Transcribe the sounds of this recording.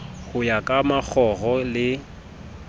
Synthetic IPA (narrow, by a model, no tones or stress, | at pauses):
ɣʊjakʼamak͡xʰɔɣɔlɪ